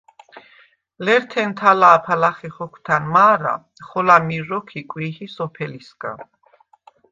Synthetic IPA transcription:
lɛɾt̪ʰɛnt̪ʰalaːpʰalaχɛχɔkʰt̪ʰanmaːɾa̰ | χɔlamiɾɔkʰikʼwihisɔpʰɛlisɡʼa̰

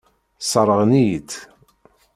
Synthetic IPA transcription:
sˤəɾˤəʁnijt̪

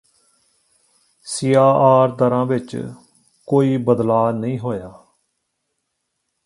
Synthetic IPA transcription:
sijaːʔaːɾd̪əɾãːʋɪt͡ʃ | koːiːbəd̪laːnəĩːɦoːjaː

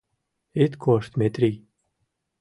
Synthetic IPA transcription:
ɪt̪kʰɔst̪met̪ɾi

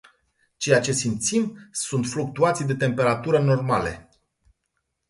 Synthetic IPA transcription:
t͡ʃe̞jat͡ʃe̞simt̪simsunt̪fluk̚t̪uat̪sʲid̪e̞t̪e̞mpe̞ɾat̪uɾəno̞rmalḛ

